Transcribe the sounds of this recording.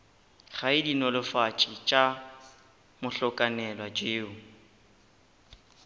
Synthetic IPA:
χaɪdinɔlɪfat͡ʃʼɪt͡ʃʼa | mʊɬɔkʼanɛlwad͡ʒeːʊ

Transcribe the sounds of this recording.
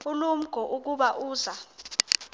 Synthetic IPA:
ulum̩ɡ̥ʱɔʔuk̬uɓaʔuːza

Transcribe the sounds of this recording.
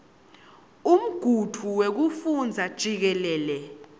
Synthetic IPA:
um̩ɡ̥ʱutʰuwek̬ufund͡zʱad̥ʒ̥ʱik̬ɛlɛːlɛ

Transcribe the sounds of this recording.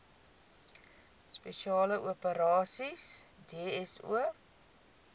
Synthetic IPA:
speʃiɑːləʔuəpəɾɑːsisdeəɛsṵə

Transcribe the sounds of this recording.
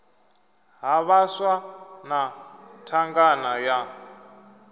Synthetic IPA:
ɦaβaswanatʰaŋɡanaja

